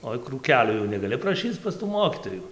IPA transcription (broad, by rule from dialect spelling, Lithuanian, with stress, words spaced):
ˈoːɪ kruːˈkʲæːlʲoː jɛʊ nʲɛɡɐˈlʲɪ prɐˈʃʲiːt͡s pɐs tuː ˈmoːkʲiːtoːjʊ